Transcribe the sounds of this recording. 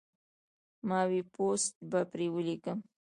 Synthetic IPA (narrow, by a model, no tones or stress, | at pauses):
mɑwipost̪̚bapɾewəlikəm